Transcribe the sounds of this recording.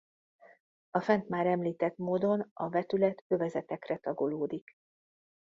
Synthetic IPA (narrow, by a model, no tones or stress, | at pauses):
ɒfɛnt̪maːɾɛmliːt̪ɛt̪moːd̪o̞nɒvɛt̪ylɛt̪øvɛzɛt̪ɛkrɛt̪ɒɡoloːd̪ik